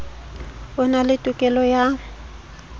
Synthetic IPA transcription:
bʊnalɪtʼʊkʼɛlɔja

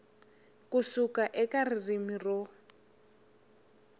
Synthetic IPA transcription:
kusukaʔɛkaririmirɔ

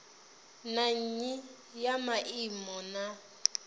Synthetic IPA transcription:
naɲ̩ɲi | jamaʔimɔna

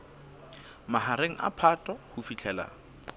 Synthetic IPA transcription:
maɦaɾeŋ̩ʔa̰pʰatʼɔhʊfit͡ɬʰɛla̰ːŋ̩

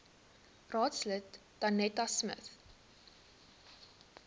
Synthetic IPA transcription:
rɑːtslətd̥ɐnɛtɐsmə̰θ

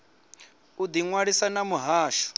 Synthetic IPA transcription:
ud̪iŋwaɺisanamuɦaːʃɔ̥

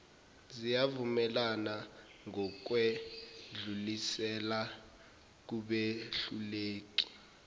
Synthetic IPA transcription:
zijavumɛlana | ŋɔk̬wɛɮulisɛla | k̬uɓeɬuleːk̬i̥

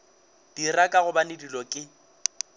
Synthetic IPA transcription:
d̥irakʼaɣʊbanɪdilɔkʼɪ

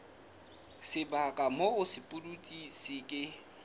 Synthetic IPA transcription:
sɪbakʼamoʊsɪpʼʊdutʼisɪkʼɪ

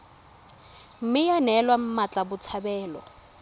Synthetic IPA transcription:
m̩mɪjanɛlwam̩mat͡ɬʼabʊt͡sʰabɛːlɔ̰

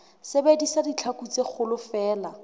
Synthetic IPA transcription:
sɪbedisadit͡ɬʰakut͡sek͡xʰʊlʊfɛːla

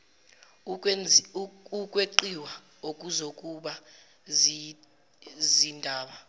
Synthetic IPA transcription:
ukʼweǃiwa | okʼuzokʼuɓa | zindʱaːɓa

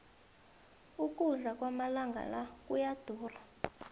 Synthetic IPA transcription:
uk̬ʼuɮak̬ʼwamalaŋɡʱa̰lakʼujad̥ʱuːra

